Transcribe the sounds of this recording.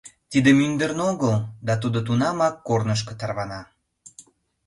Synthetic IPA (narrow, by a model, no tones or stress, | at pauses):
t̪id̪emynd̪ərnoɣəld̪ɑt̪ud̪ot̪̬unɑmɑkːornəʃ̬kə̥t̪ɑrβɑnɑ